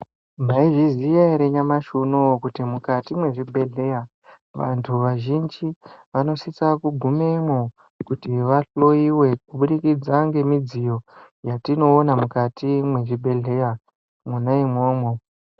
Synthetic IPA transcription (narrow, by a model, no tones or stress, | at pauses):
mbaiʐizijaeɾe̞ɲamaʃunokutimukatimwe̞ʐibʱe̞ɮe̞ja | ʋa̰ntʰuʋaʒind͡ʒiʋano̞sit͡sakuɡʱumemo | kutiʋaɬo̞iwe̞kuɓuɗikid͡zaŋɡe̞mid͡zijo̞ | jatino̞ːnamukatʰimwe̞ʐibʱe̞ɮe̞ja | munaimoːmo